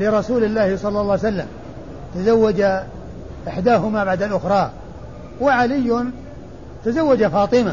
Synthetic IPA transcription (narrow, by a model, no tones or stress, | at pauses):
lɪɾˤɑsuːlɪlːaːhɪsˤɑlːɑlːɑːjsalːa̰m | t̪azawːad͡ʒa | ʔɪħd̪aːɦʊmabaʕd̪alʔʊxɾˤɑː | wɪʕalɪjːʊn | t̪azawːad͡ʒafɑːt̪ˤɨma